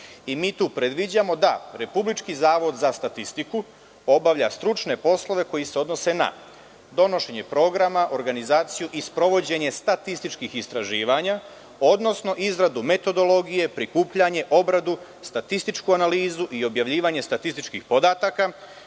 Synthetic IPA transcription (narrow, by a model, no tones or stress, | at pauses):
imiːt̪uːpɾed̪ʋid͡ʑamo̞d̪aɾe̞publit͡ʃkizaːʋo̞d̪zast̪at̪ist̪iku | o̞baʋʎast̪ɾut͡ʃne̞po̞slˠo̞ʋe̞ko̞jiseo̞d̪no̞se̞na̰ | d̪o̞no̞ʃe̞ɲe̞pɾo̞ːɡɾamaʔo̞ɾɡanizaːt̪sijuʔispɾo̞ʋo̞d͡ʑe̞ɲe̞st̪at̪ist̪it͡ʃkixist̪ɾaʒiːʋaɲa | o̞d̪no̞sno̞ʔizɾad̪ume̞t̪o̞d̪o̞lo̞ɡije̞pɾikuːpʎaɲe̞ʔo̞bɾad̪u | st̪at̪ist̪it͡ʃkuanaliːzuʔio̞bjaʋʎiːʋaɲe̞st̪at̪ist̪it͡ʃkixpo̞d̪aːt̪aka